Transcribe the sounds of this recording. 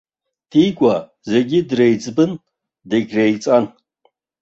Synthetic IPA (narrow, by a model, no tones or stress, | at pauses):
d̥iːkʷʼa | ze̞ɡʲɪdrejt͡sʼbɨn | deɡʲrejt͡sʼan